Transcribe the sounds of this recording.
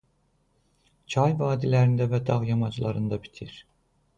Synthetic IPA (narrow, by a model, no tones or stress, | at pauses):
t͡ʃʰɑjvɑːd̪ilæɾind̪ævæd̪ɑʁjɑmɑd͡ʒlˠɑɾɯnd̪ɑbi̥t̪ʰiɾ̥